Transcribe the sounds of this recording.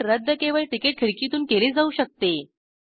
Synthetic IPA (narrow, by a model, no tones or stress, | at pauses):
ɾəd̪ʱːəkeʋəɭʈikeʈ̚kʰiɽkit̪uːnkeled͡zauɕək̚t̪e